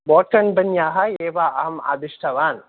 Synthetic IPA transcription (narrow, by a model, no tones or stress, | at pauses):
bɔːʈ̚kɐɳbɐnjaːɦɐeːʋaːʔɐ̰ɦɐma̰ːd̪iʂʈʰɐʋaːn